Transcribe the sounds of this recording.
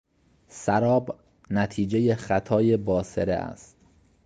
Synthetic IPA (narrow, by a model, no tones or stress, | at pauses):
sæɾɒːb | næt̪ʰiːd͡ʒe̞jexæt̪ʰɒːjebɒːseɾḛʔæ̰st̪